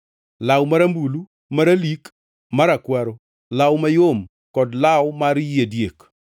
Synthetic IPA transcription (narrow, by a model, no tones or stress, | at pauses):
lawmaɾambulu | maɾalik | maɾakwaɾo | lawmajom | kɔdlawmaɾjedjek